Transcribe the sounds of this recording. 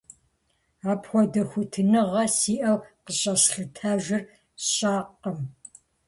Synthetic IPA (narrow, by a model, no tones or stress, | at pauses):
aːpʰxʷɔdɐxʷʊtʰɨnɨʁɐsiːʔɐwqəɕʼɐsɬɨtʰaːʒʷɪr | ɕʼaːqɐm